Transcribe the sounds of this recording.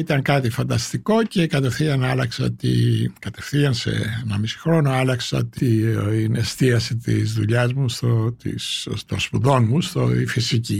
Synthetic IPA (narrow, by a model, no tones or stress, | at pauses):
it̪ɐŋkɐt̪ifɐnd̪ɐst̪iko̞ce̞kɐt̪e̞fθiɐnɐlɐksɐt̪ḭkɐt̪e̞fθiɐnsḛenɐmisi̥xɾo̞noɐlɐksɐt̪iiinest̪iɐsit̪ḭzðuʎɐzmust̪ot̪ḭst̪ospuðo̞nmust̪o̰ifisici